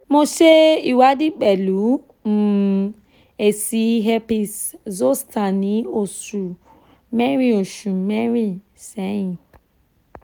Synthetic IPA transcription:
mo˦ʃe˦i˨wa˦di˦k͡pe˨lu˨˦ | m̩˨ | e˨si˦ɦe˦pi˦szo˦stʰa˨ni˨˦o˨su˨ | me˦ɾi˦o˨ʃu˨me˦ɾi˦ | sɛ˨˦ĩ˨

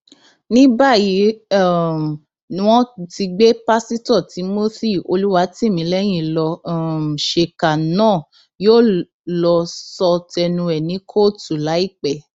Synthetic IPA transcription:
nĩ˦ba˦˨ji˨˦˨ | w̃ɔ̃˦˨ti˧ɡ͡be˦pa˦si˦tɔ˦˨ti˨˦mo˦θi˦˨o˧lu˦wa˧˦tĩ˦mĩ˨˦lɛ˦j̃ĩ˦˨lɔ˧˦˨ | ʃe˨ka˨nãː˦˨ | joː˦˨ | lɔ˧sɔ˧tɛ˧nũ˧ɛ˨nĩ˨˦kʰo˦˨tu˨la˨˦i˦˨k͡pɛ˨

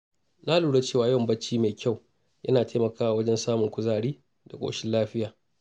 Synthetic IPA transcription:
na˦luː˨ɽa˦t͡ʃeː˦˨waː˨jɔ˦˨mbɐ˦t͡ʃːiː˦me˨kʲa˦˨w | jʔɐ̰˦naː˨teː˦mɐ˨kaː˦wa˨wɐ˦d͡ʒɛ˦nsaː˦mʊ˨ŋkʷʊ˦zaː˨ɽiː˦ | da˨kʷʼo̰ː˨ʃɪ˦nlaː˦ɸɪ˦jaː˨

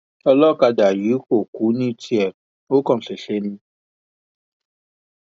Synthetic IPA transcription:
ɔ˧lɔ˦˨ka˧da˨ji˨˦ko˨ku˨˦nĩ˦tʰi˦ɛ˨ɾ̚ | o˦kɔ̃˨ɬe˨ɬe˦nĩ˧˦

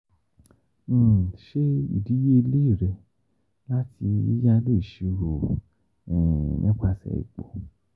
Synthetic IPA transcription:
ʃe˦ḭ˨di˨˦je˦i˧le˦i˦˨ɾɛ˧ | la˦tʰi˧ḭ˦ja˧lo˦i˨ʃi˨˧ɾo˨ | ɛ˨nĩ˦k͡pa˧sɛ̰˨ḭ˨k͡po˨

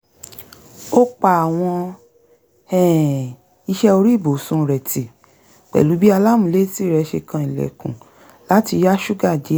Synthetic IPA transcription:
o˦k͡pa˨a˨w̃ɔ̃˧ | ɛ̃˦˨ | i˧ʃɛ˧o˧ɾi˦˨bo˨sũ˧ɾɛ˨ti˨ | k͡pɛ̰˨lu˨˦bi˦a˧la˦˨mũ˨le˦si˦˨ɾɛ˧ʃe˧kã˧i˨lɛ̰˨kũ˨ | la˨˦ti˧ja˦ʃu˦ɡa˦˨d͡ʒi˨˦

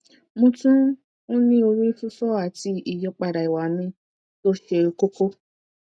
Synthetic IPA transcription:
mũ˧tũ˦ | õ˦nĩ˦o˧ɾu˦fu˦fɔ˦˨a˨ti˧i˨jɔ˦k͡pa˨ɾa˨i˨wa˨˦mĩ˧ | to˦ʃe˧˨˧ko˦ko˦

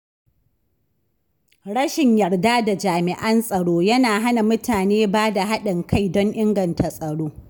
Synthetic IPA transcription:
ɽɐ˦ʃɪ˨ɲjɐ˨rdaː˦da˨d͡ʒaː˨mɪ˨ʔɐ˦nsʼɐ˨ɽoː˦jɐ˦naː˨ɦa˦na˨mʊ˦taː˨neː˦baː˦da˨ɦa˦ɗɪ˨ŋkʰa˦˨jdɔ˦ŋʔɪ˦ŋɡɐ˨ntʰa˨sʼɐ˨ɽoː˦

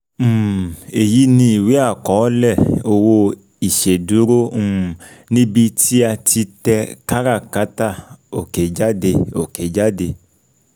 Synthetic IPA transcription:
m̩˦˨e˨ji˨˦nĩ˧i˨we˨˦a˦˨kɔ˨˦lɛ˦˨o˧wo˧ | i˨ʃe˨du˨˦ɾõ˦˨ | nĩ˦bi˧tʰi˦a˧tʰi˧tɛ˧ka˦ɾa˦˨ka˨˦ta˦˨o˨ke˨d͡ʒa˦de˧o˨ke˨d͡ʒa˦de˧

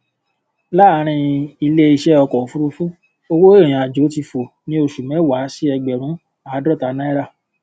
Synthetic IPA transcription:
la˦˨˧ɾ̃ĩ˧i˧le˦i˧ʃɛ˦ɔ˧kɔ˨fu˦ɾu˧fũ˦ | o˧wo˦e˦˨ɾ̃ĩ˨a˨d͡ʒo˨˦ti˧fo˨ | nĩ˦o˧ʃu˨mɛ̃˨˦wa˨˦si˦ɛ˧ɡ͡bɛ˨ɾ̃ũ˨˦ | a˦˨˦dɾɔ˦ta˧˦nã˦i˦ɾa˦˨

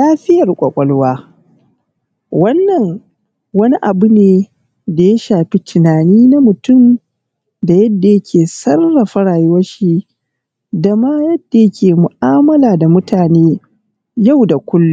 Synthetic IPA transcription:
laː˦ɸɪ˦jɐ˨rkʷʼɐ˨kʷʼɔ˨lwaː˦ | wɐ˦nːɐ˨ŋ | wɐ˦ni˦ʔa˨bʊ˦neː˦ | da˨ja˦ʃaː˨ɸi˦tʰɪ˨naː˨niː˦na˦mʊ˨tʊ˦˨m | da˨jɐ˦dːa˨jɐ˦kʲʰeː˨sɐ˦rːa˨ɸɐ˦ɽaː˨jɪ˦wɐ˦ʃi˦ | da˨maː˦jɐ˦d̥ːa˨jɐ˦kʲʰeː˨mʊ˨ʔaː˦mɐ˦laː˨da˨mʊ˦taː˨neː˦ | ja˦˨wda˨kʷʊ˦lːu˦

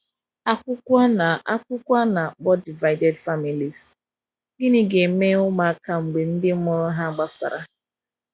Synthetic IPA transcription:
a˦kʷʊ˦kʷa˦na˨a˦kʷʊ˦kʷa˦na˨k͡pɔ˦di˨va˦ɪ˦de˦dfa˦mi˨li˨s | ɡɪ˦ni˦ɡe˨˦me˦ʊ˦ma˨a˦ka˦ŋ͡m̩˨ɡ͡be˨n̩˦dɪ˦m̩˦mʊ˨ɾʊ˦ɦa˦ɡ͡ba˦sa̰˨ɾa˦

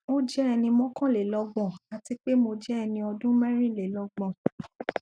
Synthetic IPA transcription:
o˦d͡ʒɛ˦ɛ˧nĩ˧mɔ̃˦kɔ̃˦˨le˨lɔ˧ɡ͡bɔ̃˨a˨ti˧k͡pe˦mo˧d͡ʒɛ˦ɛ˧nĩ˧ɔ˧dũ˦mɛ̃˦ɾ̃ĩ˦˨le˨lɔ˧ɡ͡bɔ̃˨

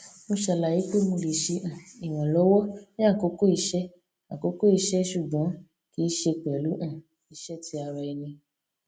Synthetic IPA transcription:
mo˧ʃɛ˧˨la˨ji˨˦k͡pe˦˨˦mõ˧le˨ʃe˧ʔã˨i˨w̃ɔ̃˨lɔ˨˦wɔ˦nĩ˦a˦˨ko˨˦ko˦i˦˧˦ʃɛ˦ | a˨ko˨˦ko˦i˧ʃɛ˦ʃu˦˨ɡ͡bɔ̃˨˦ | ki˦ʃe˧k͡pɛ˨lu˨˦ʔã˦˨ | i˨˧˦ʃɛ˦ti˧˦a˧ɾa˧i˧nĩ˧

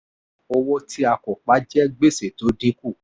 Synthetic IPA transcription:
ɔ˧wɔ˧tʰi˧˦a˧kɔ˨k͡pa˨˦d͡ʒɛ˦ɡ͡be˦˨se˨to˨˦dĩ˦ku˦˨

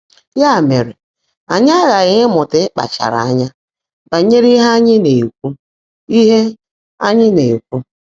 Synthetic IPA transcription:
ja˦˨me˨ɾe˨ | a˨ɲa˦ɣa˨ɣɪ˦mʊ˨tɪ˦k͡pa̰˨t͡ʃa̰˨ɾa̰˨a˦ɲa˦ | ba˨ɲe˦ɾi˦ɦa˦a˦ɲɪ˦ne˨kʷu˦ | i˦ɦe˦ | a˦ɲɪ˦ne˨kʷu˦

